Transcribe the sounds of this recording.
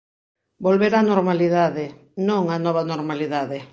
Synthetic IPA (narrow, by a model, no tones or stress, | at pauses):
bolβeɾanoɾmaliðaðɪ | nõŋanɔβanoɾmaliðaðɪ